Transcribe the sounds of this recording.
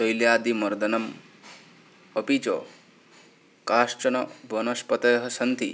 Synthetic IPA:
sojljaːd̪imɐɾd̪ɐnɐm | ɐpit͡ʃo̰ | kaːʂʈɐnɐbɐnɐspɐt̪ɐjɦɐ̆sɐnt̪ḭ

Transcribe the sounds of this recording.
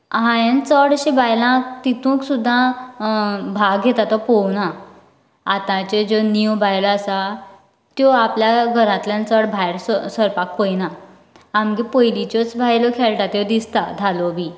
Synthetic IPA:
ɦãjent͡səɽɕẽbʱajlãkt̪it̪ʰũksud̪ʱːã | bʱaɡɡʱet̪at̪ɔpɔwnã | at̪ãt͡ɕed͡ʑoniwbʱajlasa | t̪jɔapljaɡʱəɾãt̪ljãnt͡səɽbʱajɾssəɾpakpəjna | amɡipəjlit͡ɕɔt͡sbʱajlɔkʰelʈat̪jɔd̪ist̪ad̪ʱalɔbʱiː

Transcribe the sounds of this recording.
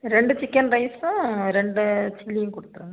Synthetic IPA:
ɾɛɳɖɯt͡ʃɪkːɐnɾɐɪsɾɛɳɖɯt͡ʃɪlːijũkɔɽɯt̪ːɯɾũnd̪

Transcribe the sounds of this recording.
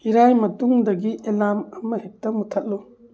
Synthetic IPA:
iɾajmɐtuŋdɐɡiʔelamɐmɐhip̚tɐmutʰat̚lu

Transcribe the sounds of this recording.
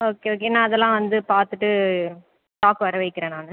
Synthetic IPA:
oːkeoːk̬enãːɐðɛlːãːʋɐnd̪ɯpaːɾt̪ɯʈːɯ | ʈaːpɯʋɐɾɐʋɐɪkːɪɾẽːnaːnɯ

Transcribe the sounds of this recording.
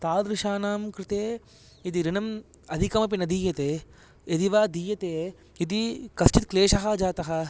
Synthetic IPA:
t̪aːd̪ɾɪʃaːnaːmkɾɪt̪eː | it̪̬iɾinɐm | ɐd̪ʱikɐmɐp̬inɐd̪iːjɐt̪eː | ed̪iʋaːd̪iːjɐt̪eː | it̪̬ikɐsʈit̪kleːʃɐɦɐd͡ʒaːt̪ɐɦɐ̆

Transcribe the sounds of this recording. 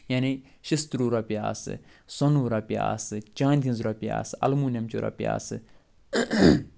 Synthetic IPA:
jaːni | ʃɪst̪ɾuːɾapija̰ːsɨ̰ | sɔnuɾapija̰ːsɨt͡ʃãːnd̪ʰʲĩnzɾapja̰ːsɐ̰lmuːnjɐmt͡ʃo̰ːɾa̰pja̰ːsɨ

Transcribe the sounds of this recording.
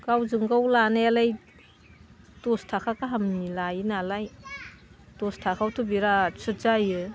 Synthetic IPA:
kawzɯŋɡawlanajalaj | tɔstʰakʰakaɦamnilajinalaj | tɔstʰakʰawtʰubiɾasɯtzajɯ

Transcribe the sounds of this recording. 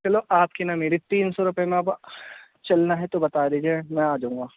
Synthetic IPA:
t͡ʃɐloʔaːpkinameːɾit̪iːnsɔɾʊpemẽ | t͡ʃɐlnaɦɛt̪obɐt̪aːd̪iːd͡ʒiemɛ̃aːd͡ʒaũːŋɡaː

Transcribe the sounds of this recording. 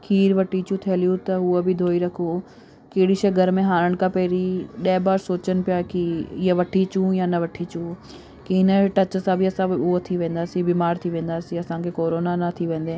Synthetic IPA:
kʰiːɾʋɐʈit͡ɕũt̪ʰiəljũt̪ɐɦʊəbʱɪd̪ʱoːiɾɐkʰo | keːɪɽiʃɐɡəɾmẽɦaːɾəɽ̃kapɛːɾiɗɛːbaːɾsoːt͡ɕənɪ̆pɪjaːkiɪɦəʋɐʈʰit͡ɕũjanɐʋɐʈʰit͡ɕũ | kiɪnəʈɐt͡ɕsãbʱiɐsãʊot̪ʰiʋẽːn̆d̪aːsibiːmaːɾt̪ʰiʋẽːnd̪aːsiɐsãkʰekoːɾoːnanɐt̪ʰiʋẽːn̆d̪ẽː

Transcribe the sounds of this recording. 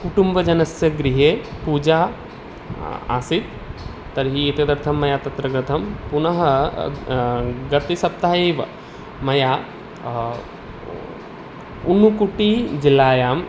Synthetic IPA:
kuʈumbɐd͡ʒɐnɐsjɐɡɾiɦeːpuːd͡ʒaː | a̰ːsit̪ː | ɐɾɦiːt̪ɐd̪ɐɾt̪ʰɐmːɐjaːt̪ɐt̪ɾɐɡɾɐt̪ʰɐmpunɐɦɐ | ɡɐt̪isɐp̚t̪aɦɐeːʋɐ | mɐjaː | unukuʈiːd͡ʒilaːjaːm

